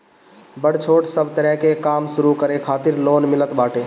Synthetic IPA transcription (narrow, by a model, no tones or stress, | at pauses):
bəɽt͡ʃʰoːʈsəbʱt̪əɾɛɦkekaːmsʊɾukəɾekʰaːt̪ɪɾloːnmɪlət̪baːʈe